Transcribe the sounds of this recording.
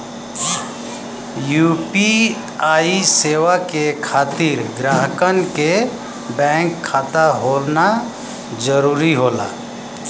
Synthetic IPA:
juːpi | aːiseːʋakekʰaːt̪iɾɡɾaːɦəkənke | bɛ̃ːŋkʰːaːt̪aɦoːlna | d͡ʒəɾuːɾiɦoːla̰ː

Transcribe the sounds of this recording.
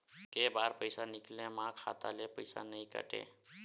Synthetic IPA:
kebaɾpəɪsaniklẽmãkʰa̰t̪alepəɪsa̰nəjkə̰ʈḛ̃

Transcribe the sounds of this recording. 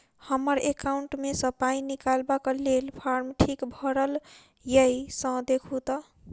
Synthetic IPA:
hʌmʌɾekawuɳʈmesʌ̃paĩnikalbakʌlelpʰaɾmʈʰikbʱʌɾʌl | jʌjsʌ̃d̪ekʰut̪ʌ

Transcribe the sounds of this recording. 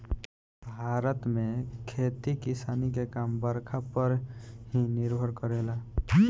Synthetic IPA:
bʱaɾət̪mẽkʰet̪ikisaːnikekambəɾkʰapəɾɦinɪɾbʱəɾkəɾela

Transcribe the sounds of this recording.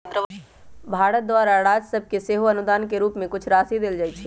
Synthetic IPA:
bʱaːɾət̪̚d̪waːɾaɾaːd͡ʒsɐb̚keseːɦoɐnʊd̪aːnkeɾuːpmẽkʊt͡ʃʰɾaːsid̪eld͡ʒaːit͡ʃʰiː

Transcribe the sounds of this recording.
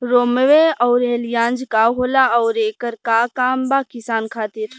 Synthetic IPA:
ɾoːməʋeɔːɾeːljãːnd͡ʒkaɦoːlaɔːɾeːkəɾkakaːmbaːkɪsaːnkʰaːt̪iɾ

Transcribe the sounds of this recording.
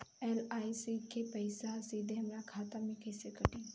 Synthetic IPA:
eːlaːisikepɐɪsasiːd̪ʱẽɦɐmɾakʰaːt̪amẽkɛːsekɐʈẽ

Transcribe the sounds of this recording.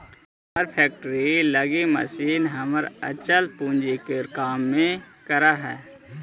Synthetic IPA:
əɾpʰɛːk̚ʈəɾiləɡimə̰siːnɦəməɾə̰t͡ʃəlpũːnd͡ʒikeɾkaːmːẽkəɾaɦɛː

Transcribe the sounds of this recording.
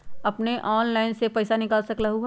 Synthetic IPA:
ɐpneʔɔːnlaːɪnsepɛɪsanɪkaːlsɐklaɦu

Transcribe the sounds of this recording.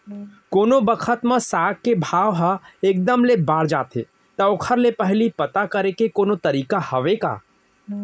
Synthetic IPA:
koːnobəkʰət̪mə̃saːk̚kːebʱaːʋɦəeːk̚d̪əmlebaːɽd͡ʒaːt̪ḛ | t̪ɐʊkʰəɾlepəɦlipɐt̪akəɾekekoːnot̪ɐɾiːkahɐʋeka̰ː

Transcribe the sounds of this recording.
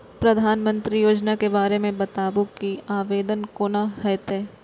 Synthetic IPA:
pɾɐd̪ʱaːnmə̃nt̪ɾijoːd͡ʒnakebaːɾemẽbɐt̪aːbũkiaːʋeːd̪ənkoːnaɦɛːt̪eː

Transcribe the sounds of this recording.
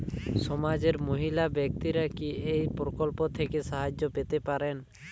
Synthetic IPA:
sɔmad͡ʒeɾmoɦilabjɔk̚t̪iɾakiejpɾɔkɔlpɔt̪ʰɛkesaɦad͡ʒjɔpet̪epaɾen

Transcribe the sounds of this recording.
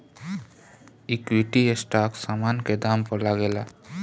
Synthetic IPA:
ikwiʈiesʈaksamanked̪ampəɾlaɡela

